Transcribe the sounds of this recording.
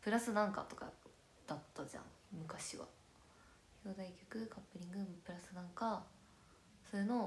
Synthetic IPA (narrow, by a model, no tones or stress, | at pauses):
pɯ̟ɾasɨnãŋka̰t̪o̞ka̰ | d̪̥at̪ːaʑã̰ŋ | mɯ̟kaɕiβa̰ | çoːd̪aikʲo̥kɯ̟kʰapːɯ̟ɾʲĩŋɡɯ̟pɯ̟ɾasɨnãŋka | so̞ɾeno̞